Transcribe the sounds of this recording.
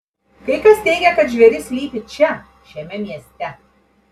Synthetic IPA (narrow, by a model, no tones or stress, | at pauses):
kɐɪkɐst̪ʲɛɪɡʲɛkɐt̪ʒʲʋʲɛɾʲɪsʲlʲiːpʲɪt͡ʃʲɛ | ʃʲɛmʲɛmʲiɛsʲt̪ʲɛ